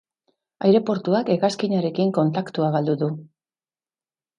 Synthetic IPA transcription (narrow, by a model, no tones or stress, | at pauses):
ajɾe̞po̞ɾt̪uake̞ɣaskiɲaɾe̞kiŋko̞nt̪akt̪uaɣald̪uðu